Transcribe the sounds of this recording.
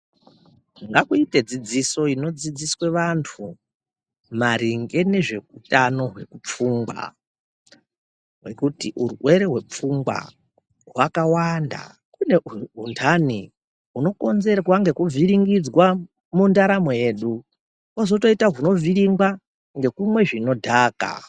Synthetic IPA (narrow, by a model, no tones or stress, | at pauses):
ŋɡakuite̞d͡zid͡ziso̞ino̞d͡zid͡ziswe̞ʋantʰu | maɾiŋɡe̞ne̞ʐe̞kutano̞ɦwe̞kup͡fuːŋɡwa̰ | ɦwe̞̰kutiʔuruwe̞ɾeɦwe̞p͡fuŋɡwa̰ | ɦwakawanda̰ | kune̞ɦuntʰani | ɦuno̞ko̞nze̞ɾwaŋɡe̞kuvʱiɾiŋɡid͡zwa | mundaɾamoje̞ːɗu | kwazo̞to̞itaɦuno̞viɾiŋɡwa | ŋɡe̞kumwe̞ʐino̞dʱaːka̰